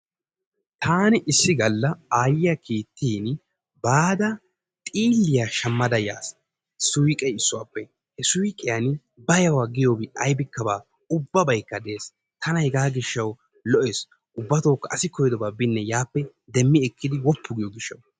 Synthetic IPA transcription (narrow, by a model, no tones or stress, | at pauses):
t̪ʰaːnɪʔɪsːɪɡɐlːɐaːjɪjɐkʰiːt̪ːiːn | baːd̪ɐ | t̪ʼiːlːɪjaʃɐmːɐd̪ɐja̰ːs | sʊjkʼɛɪsːʊwaːpːɛ | hɛsʊjkʼɪjan | bɐjɐwaːɡɪjoːbɪɐjbɪkːɐbaː | ʊbːɐbɐjkːɐd̪e̞ːs | t̪ʰɐnɐjɡaːɡɪʃːɐw | lɔʔeːs | ʔʊbːɐt̪oːkːɐʔɐsɪkɔjd̪ɔbaːbɪnːɛjaːpːɛ | d̪ɛmːɪɛkːɪd̪ɪwɔpːʊɡɪjoɡɪʃːɐ̰w